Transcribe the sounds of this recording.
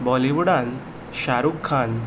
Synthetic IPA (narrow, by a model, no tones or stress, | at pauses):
bɔliʋɽãn | ɕaɾukʰːan